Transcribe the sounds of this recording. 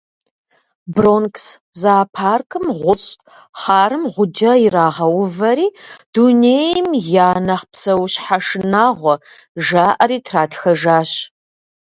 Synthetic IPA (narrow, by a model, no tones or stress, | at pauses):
bronks | zaːpʰaːrkʰɨmʁʷʊɕʼ | χɑːrɨmʁʷʊd͡ʒɐɪɾaːʁɐwʊvɐɾiːd̥uneːjmjaːnɐχpsɐwɕħaʂɨnaːʁʷɔ | ʒaːʔɐɾiːtʰraːtxɐʒaːɕ